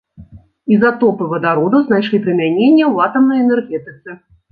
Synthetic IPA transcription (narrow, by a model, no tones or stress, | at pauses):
izat̪ɔpɨvɐd̪aɾɔd̪ɐznajʂlʲipɾɨmʲanʲenʲːɐwat̪ɐmnɐjɛnɛrɣʲɛt̪ɨt̪sɨ